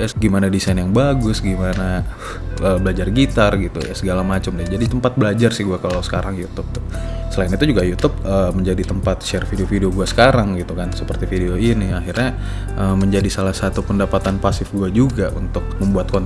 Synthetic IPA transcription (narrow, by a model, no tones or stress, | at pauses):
ɡimanadisajnjaŋbaɡʊsɡimana | əːbəlad͡ʒarɡit̪arɡit̪ṵja̰səɡalamat͡ʃəmdid͡ʒadit̪əmpat̪̚bəlad͡ʒarsɪhɡuakalawsə̥kaɾaŋjut̪ʊp̚t̪ʊhsəlaɪnit̪ud͡ʒuɡajut̪ʊp̚əməɲd͡ʒadit̪əmpat̪̚ʃɛrfideofideoɡuasə̥kaɾaŋɡit̪ukansəpərt̪ifideoiniaɦirɲa | ʔəməɲd͡ʒadisalahsat̪upəndapat̪anpasɪfɡuad͡ʒuɡaʔṵnt̪ʊk̚məmbuat̪̚kɔnt̪